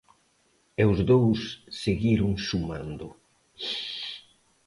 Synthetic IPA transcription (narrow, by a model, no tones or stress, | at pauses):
ewzðowsːeɣiɾʊŋsumã̰nd̪ʊ̰